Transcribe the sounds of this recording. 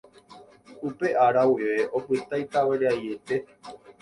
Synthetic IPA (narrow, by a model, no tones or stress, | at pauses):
upe̞ʔaɾawiʋe̞ʔo̞pɨt̪ajt̪aweɾeaje̞t̪e̞